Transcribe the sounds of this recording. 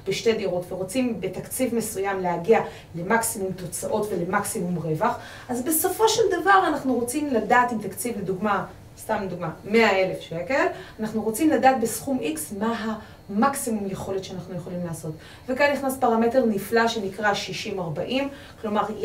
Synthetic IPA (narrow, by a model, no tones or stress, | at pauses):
b̥eʃte̞d̪iʁo̞tveʁo̞t͡simbet̪akt͡sivmesujamlehaɡia | le̞maksimumt̪o̞t͡saʔo̞tve̞lemaksimumʁe̞vaχ | azbe̞so̞fo̞ʃeld̪avaʁanaχnuʁo̞t͡simladaːt̪imt̪akt͡sivled̪uɡma | st̪amled̪uɡmame̞ae̞le̞fʃekelanaχnuʁo̞t͡simladaːt̚besχumʔiksmaɦa | maksimumjeχo̞le̞tʃeanaχnujeχo̞limlaːso̞t | vekanniχnaspaʁame̞teʁniflaʃe̞nikʁaʃiʃimaʁbaʔim | klo̞maʁ